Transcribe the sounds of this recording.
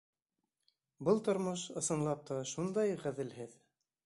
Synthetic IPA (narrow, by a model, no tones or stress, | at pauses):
bɤlˠt̪ŏɾmoʃɤ̆sɤ̆nlˠɑp̚t̪ɑʃund̪ɑjʁæðɘlɦɘð